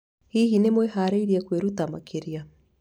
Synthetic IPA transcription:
hiːɦinemwehaɾaiɾiakweɾut̪ama̰kʰeɾia

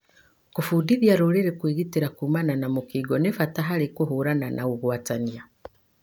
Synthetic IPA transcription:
kufudiðjaɾoɾeɾekwiːɣiteɾakumananamukiɡɔnefataɦaɾekuɦuɾananʔaɣuɣwatania

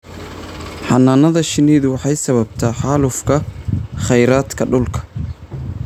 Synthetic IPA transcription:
ħɑnaːnɐðɐʃɪniːðʊwɑħɑjsɐβɐb̚t̪ʰɐħɑːlʊfkʰɐχɛjɾaːd̪kʰɐɖʊlkʰɐ̥

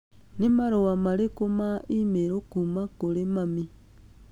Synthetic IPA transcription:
nimaɾowamaɾekomaimeɾokumakolemami

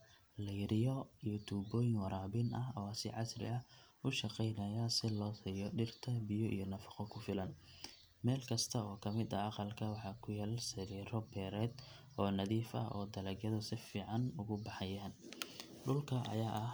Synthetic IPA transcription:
lɛjɾɪjɔijɞt̪ʰuːbɔːjɪŋwɑɾaːbɪnʔɐɦɔsɪ̰ʕɑsrɪ̰ɐ | ʊʃɑqɛjnɐjasɪlɔːsiːjɔɖɪrt̪ʰɐbɪjɔʔḭjɞnɐfɑ̥qɔkʰʊfɪlɐn | mɛːlkʰɐst̪ʰɐɔːkʰɐmɪd̪ɐɑqɑlkʰɐwɑħɑːkʰʊjaːlsɪɾiːɾɔbɛːɾɛːd̪ | ɔːnɐðiːfɐ̰ʔɔ̰ːd̪ɐlɛɡjɐðɐsɪfiːʕɑnʊɣʊbɑħɑjɐn | ɗʊlkʰɐʔɐ̰jaːʔɐh

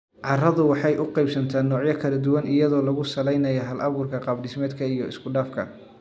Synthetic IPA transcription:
ʕɑrɐðʊwɑħɑjʔʊqɑjbsɐnt̪ʰaːnːɔːʕjɐkʰɐlɐd̪ʊwɐnɪjɐðɔːlɐɣʊsɐlɛjnɐjɐɦɐlʔɐbɡʊrkʰɐqɑbɖɪsmɛːd̪kʰɐijɔɪ̰skʰʊɖaːfkʰɐ̰

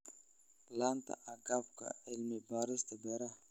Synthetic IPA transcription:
lant̪a̰ʔaɡap̚ka̰elmebaɾəst̪ebɛɾa

